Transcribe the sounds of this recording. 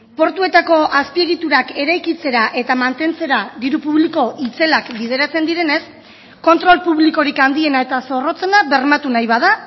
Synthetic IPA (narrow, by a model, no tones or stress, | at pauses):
po̞ɾt̪ue̞t̪ako̞aspie̞ɣit̪uɾake̞ɾajkit͡se̞ɾaʔe̞t̪amant̪e̞nt͡se̞ɾaðiɾupuβliko̞ʔit͡se̞lakbiðe̞ɾat͡se̞nd̪iɾe̞ne̞s | ko̞nt̪ɾo̞lpuβliko̞ɾikand̪ie̞nae̞t̪aso̞ro̞t͡se̞naβe̞ɾmat̪unajβað̞a